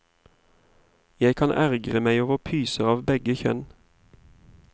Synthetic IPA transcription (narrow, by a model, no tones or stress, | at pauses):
jæɪkʰɑnʔæʁɡʁəmæɪoːʋəʁpʰyːsəʁɑːʋbɛɡəçœ̰n